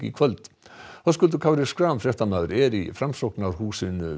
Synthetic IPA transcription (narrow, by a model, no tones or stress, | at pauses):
ɪ̰kʰvœlt̪ | θɔskʉld̪ʉkʰavɾɪskɾaːmfɾɛht̪anaðɾɛɾifɾamsɔknaɾhuːsʏnʏ